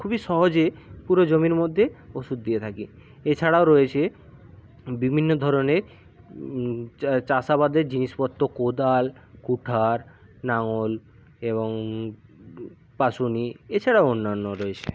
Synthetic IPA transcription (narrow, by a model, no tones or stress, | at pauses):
kʰubiʃɔɦod͡ʑepuɾod͡ʑomiɾmod̪ʱːeoʃud̪̚d̪iet̪ʰaki | et͡ɕʰaɽaoɾoet͡ɕʰe | bibʱinːod̪ʱɔɾoneɾ | t͡ɕaʃabad̪eɾd͡ʑiniʃpɔt̪ːokod̪alkuʈʰaɾ | naŋol | eβoŋ | paʃuniet͡ɕʰaɽaoonːanːoɾoet͡ɕʰḛ